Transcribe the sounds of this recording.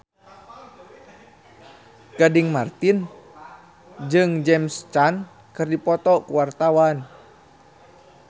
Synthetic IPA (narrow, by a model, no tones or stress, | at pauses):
ɡ̥adiŋmart̪in | d͡ʒɨŋd͡ʒɛmst͡ʃan | kɨrdipɔt̪ɔkuwart̪awan